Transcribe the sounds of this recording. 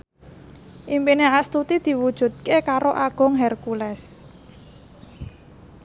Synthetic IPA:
ʔimpineast̪ut̪id̪̥i̤wud̥ʒ̥ṳt̪̚kekaɾoʔaɡ̥ʊ̤ŋɦɛrkulɛs

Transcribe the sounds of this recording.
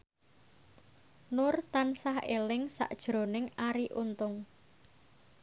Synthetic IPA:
nʊrt̪ansahḛlɪŋsa̰ʔd̥ʒ̥ɾo̤nɪŋaɾiʔunt̪ʊŋ

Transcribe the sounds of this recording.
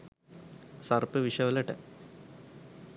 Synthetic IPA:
sɐrpːɨʋiʂɐʋɐlɐʈːḛ

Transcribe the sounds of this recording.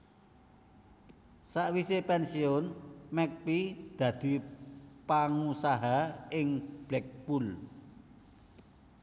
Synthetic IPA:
saʔwisepɛnsiɔnmɛk̚pid̪̥ä̤d̪̥i̤paŋusaɦaɪŋb̥lɛk̚bul

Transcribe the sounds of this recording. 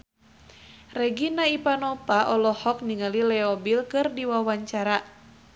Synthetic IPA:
rɛɡinaipanɔpaʔɔlɔhɔk̚niŋalilɛɔbilkɨrdiwawaɲt͡ʃaɾa

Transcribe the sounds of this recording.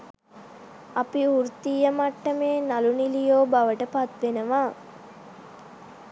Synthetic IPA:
apiuɾt̪ijəmaʈːəmeːnalunilijoːbaʋəʈəpat̪ʋenəʋaː

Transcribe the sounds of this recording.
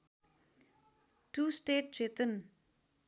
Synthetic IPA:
ʈuːsʈeːʈ̚t͡ʃet̪ən

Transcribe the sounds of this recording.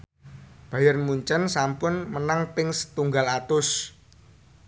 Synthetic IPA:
b̥a̤jərmuɲt͡ʃənsampʊnmənaŋpɪŋsə̥t̪uŋɡalat̪ʊs

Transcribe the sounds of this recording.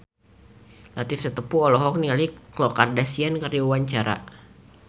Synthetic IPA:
lat̪ɪfsət̪əpuɔlɔɦɔk̚nialiklɔkardasiankərdiuwaɲt͡ʃaɾa̰

